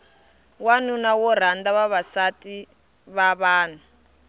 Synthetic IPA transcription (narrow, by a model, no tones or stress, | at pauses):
wanunawɔɾ̤and̪aβaβasatʼi | βaβaːn̤u